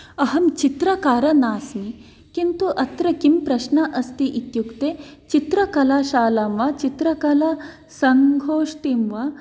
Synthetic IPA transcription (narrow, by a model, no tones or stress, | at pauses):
ɐɦɐmt͡ʃit̪ɾɐkaːɾɐnaːsmi | kint̪uʔɐt̪ɾɐkimpɾɐʃnɐʔɐst̪iʔit̪jukt̪eːt͡ʃit̪ɾɐkɐlaːʃaːlɐmʋɐt͡ʃit̪ɾɐkɐlɐ | sɐŋɡʱoːʂʈimʋɐ